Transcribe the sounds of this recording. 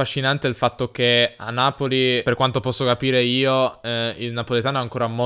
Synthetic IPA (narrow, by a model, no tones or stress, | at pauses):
aʃːinant̪eilfat̪ːok̟ea̰nːaːpoliperkwant̪opɔsːokapiːɾeiːoilnapolet̪aːnoaŋkoːɾamo